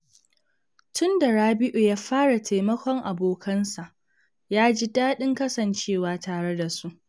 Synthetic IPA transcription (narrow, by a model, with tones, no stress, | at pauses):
tʊ˦nda˨ɽaː˦bɪ˦ʔu˨jaː˦ɸaː˦ɽa˨tʰa˨mɐ˦kʷɔ˦ŋʔa˨boː˨kʰɐ˦nsa˨ʔ | jaː˦d͡ʒi˦daː˦ɗɪ˦ŋkɐ˦sɐ˨nt͡ʃeː˦˨waː˦taː˨ɽe˦da˨su˦ʔ